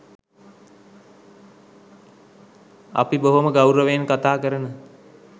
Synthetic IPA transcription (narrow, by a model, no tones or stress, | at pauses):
a̰piboɦoməɡawɾəʋeːnkat̪aːkəɾənə